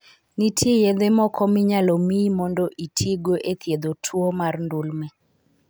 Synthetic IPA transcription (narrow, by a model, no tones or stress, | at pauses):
nitʰejed̪emɔkʰɔmɪɲalɔmimɔndɔʔitʰiɡoʔet̪ʰjed̪otʰwomarndulmɛ